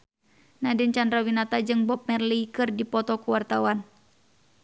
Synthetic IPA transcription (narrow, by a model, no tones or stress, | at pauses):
nadɪnt͡ʃandɾawinat̪ad͡ʒɨŋbɔp̚mɛrlikɨrdipɔt̪ɔkuwart̪awan